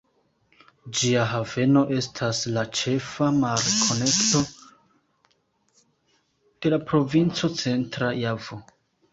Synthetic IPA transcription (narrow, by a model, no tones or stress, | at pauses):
d͡ʒiaɦave̞no̞ʔe̞stʰaslat͡ʃe̞famaɾekʰo̞ne̞kto̞ | d̥e̞lapɾo̞vint͡so̞t͡se̞ntɾajavo